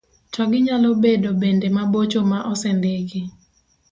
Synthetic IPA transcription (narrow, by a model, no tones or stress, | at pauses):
tɔɡɪɲalɔbedobendemabot͡ʃomaʔɔsɛndeɡɪ